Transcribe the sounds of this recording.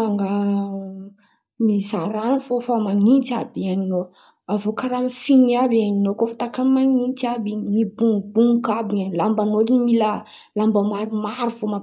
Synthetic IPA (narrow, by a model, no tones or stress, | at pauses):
aŋɡa | mizaɾanifofamaŋit̪abianino | avokaɾamifiniabaninokofḁt̪akamaŋint̪abimibuŋbuŋkabiŋanlambanodimila | lambəmaɾumaɾuvoma